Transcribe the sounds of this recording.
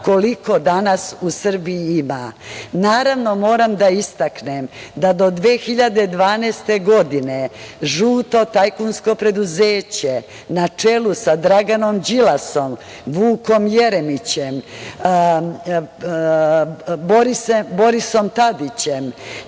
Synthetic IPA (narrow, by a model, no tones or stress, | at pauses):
ko̞liko̞d̪anasusr̩bijiimanaːɾaʋno̞mo̞ːɾamd̪aist̪aknemd̪ad̪o̞d̪ʋeːxiʎad̪e̞d̪ʋaːneːst̪e̞ɡo̞d̪ineʒuːt̪o̞t̪ajkunsko̞pɾe̞d̪uzeːt͡ɕe | nat͡ʂe̞lusad̪ɾaɡano̞md͡ʑilaso̞m | ʋuːko̞mjeɾemit͡ɕem | boɾisebo̞ɾiso̞mt̪ad̪it͡ɕem